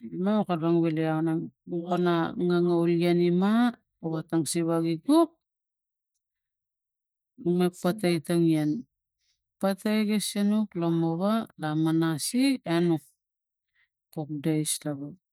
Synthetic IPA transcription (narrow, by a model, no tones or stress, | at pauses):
imaukaɾaŋβileawnauɣonaŋaŋawlɡanima | oβataŋsiβaɡiɡuk̚ | umepːatajtaŋian | patajɡesenuklomoβalamanasienuk̚ | pok̚dajstaβa